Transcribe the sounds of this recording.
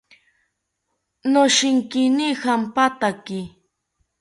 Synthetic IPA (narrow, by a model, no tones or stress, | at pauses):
noʃɪŋkɪnihampat̪akɪ